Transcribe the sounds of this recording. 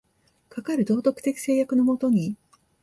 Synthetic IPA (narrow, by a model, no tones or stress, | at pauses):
kakaɾɯ̟d̪o̞ːt̪o̞kɯ̟̥t̪e̞kʲi̥se̞ːjakɯno̞mo̞t̪o̞ɲ̟i